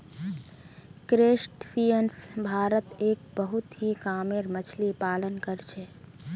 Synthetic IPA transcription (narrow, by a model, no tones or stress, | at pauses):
kɾesʈsiənsbʱaːɾət̪eːk̚bəɦut̪ɦikaːmeɾmət͡ʃʰlipaːlənkəɾt͡ʃʰɛ